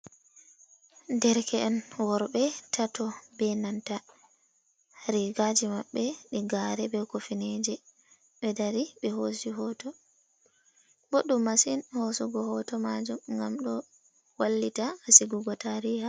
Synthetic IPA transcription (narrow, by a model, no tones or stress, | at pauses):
ndɛɾkʰɛʔɛnwɔɾbɛtʰatɔbɛnanta | ɾiɡad͡ʒimaɓːɛɗiɡaɾɛbɛkofined͡ʒɛ | ɓɛdaɾiɓɛɦosiɦɔtɔ | boɗumːasinhosuɡɔhɔtɔmad͡ʒumŋɡamɗɔ | walːitaasiɡuɡɔtaɾiha